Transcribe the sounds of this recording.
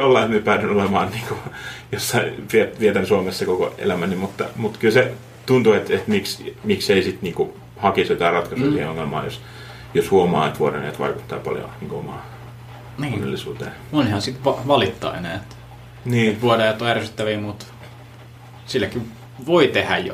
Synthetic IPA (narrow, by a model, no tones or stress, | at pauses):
jolːɑimyøpæːdynolemɑːnniːŋkujosːɑiʋiet̪ʋiet̪ænsuomesːekoko̰ḛlæmænimut̪ːɑ̰mut̪kylse | t̪unt̪uet̪et̪miksmikseisit̪niːŋku | hɑkiset̪æːrɑt̪kɑsuːsiːheoŋːelmɑ̰ːjos | joshuomɑ̰ːet̪ʋuoɾɑ̰nɑ̰jɑ̰t̪ʋɑ̰ikut̪ːɑ̰ːpɑ̰ljo̰niːŋkoomɑ̰ː | onːḛlːisṵːt̪ḛː | onihɑnsit̪ʋɑʋɑlit̪ːɑ̰ːḛnæːet̪ | niːt̪ʋuodɑjɑt̪ːoærsyt̪ːæʋiːmut̪ | silːækːi | ʋoit̪ehæ̰jjo̰